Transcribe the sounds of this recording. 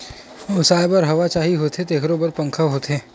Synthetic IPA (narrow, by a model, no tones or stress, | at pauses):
ʊsaːjbɐɾɦɐʋat͡ʃaːɦiɦoːt̪et̪eːkʰɾobɐɾpɐ̃ŋkʰaɦoːt̪eː